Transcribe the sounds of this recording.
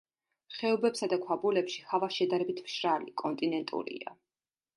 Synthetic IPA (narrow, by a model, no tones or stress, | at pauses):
χɛɔbɛpsad̪akʰwabulɛpʃihavaʃɛd̪aɾɛbit̪ʰm̥ʃɾalḭkʼɔnt̪ʼinɛnt̪ʼṵɾḭa̰